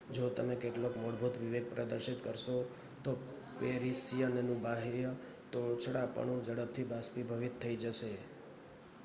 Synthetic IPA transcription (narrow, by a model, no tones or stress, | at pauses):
d͡ʒot̪əmekeʈlokmoɽbʱut̪ʋɪʋeɡ̚pɾəd̪əɾʃit̪kəɾʃo | t̪o | peɾisijənenũbaɦej | t̪ot͡ʃʰəɽapə̰ɳũd͡ʒəɽəb̚t̪ʰibaspibʱəʋit̪ʰːəid͡ʒəʃe